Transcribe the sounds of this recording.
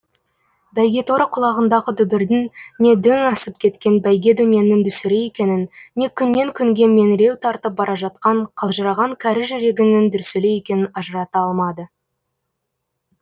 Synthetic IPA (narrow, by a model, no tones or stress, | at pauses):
bæjɡʲe̞t̪oɾəqʰʊlˠɑʁənd̪ɑʁəd̪ʏbɪɾd̪ɪnne̞d̪ɵŋɑsəp̚kʲʰe̞t̪kʲe̞nbæjɡʲe̞d̪ɵnje̞nɪnd̪ʏsɪɾeje̞kʲe̞nɪnːe̞kʲʰʏnːe̞ŋkʲʰʏŋɡʲe̞me̞nɪɾe̞wt̪ʰɑɾt̪əp̚bɑɾʔɑʒɑt̪̚qɑɴqʰəlˠʒəɾɑʁɑŋkʲʰæɾɪʒʏɾe̞ɡʲɪnɪnd̪ʏɾseleje̞kʲe̞nɪnɑʒəɾɑt̪ɑɑlˠmɑd̪ə